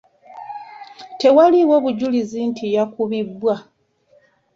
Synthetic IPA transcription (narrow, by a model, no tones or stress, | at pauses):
te̞waliwo̞βuɟulizintʰijakuβibwa